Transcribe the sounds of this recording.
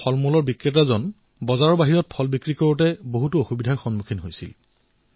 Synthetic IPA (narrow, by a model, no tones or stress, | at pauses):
ɔlmulɔɹbikɹit̬azɔn | bɔzaɹɔɹbaɦiɹɔt̚pʰɔlbikɹikɔɹutɛboɦutuoxubidʱaɹxɔnmukʰinɦojsḭl